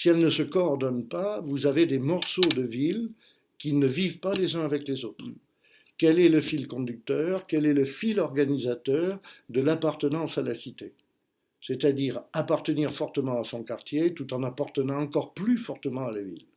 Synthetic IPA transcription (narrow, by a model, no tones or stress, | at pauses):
siɛlnəsəkɔɔʁd̪ɔnpavuzaved̪emɔʁsod̪əvil | kʲinəvivpalezɛ̃avɛklezot̪χ | kɛlɛləfilkɔ̃d̪yk̚t̪œʁkɛlɛləfilɔʁɡanizat̪œːʁd̪əlapaʁt̪ənɑ̃salasit̪e | set̪ad̪iʁapaʁt̪əniʁfɔʁt̪əmɑ̃asɔ̃kaʁt̪jet̪ut̪ɑ̃napaʁt̪ənɑ̃ːkɔʁplyfɔʁt̪əmɑ̃alavḭl